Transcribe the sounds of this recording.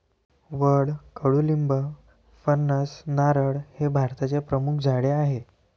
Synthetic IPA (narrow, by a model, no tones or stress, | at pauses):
ʋəɽkəɽuːlimbə | fənːəsnaɾəɽhebʱaɾt̪at͡sepɾəmukʰd͡zʱaɽeaɦe